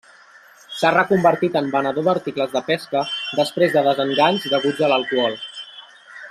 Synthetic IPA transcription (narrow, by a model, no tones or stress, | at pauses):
sarəkumbəɾt̪it̪əmbənəðoðəɾt̪ikləzðəpɛskəd̪əspɾezðəðəzəŋɡaɲzðəɣud͡zələlˠkuɔlˠ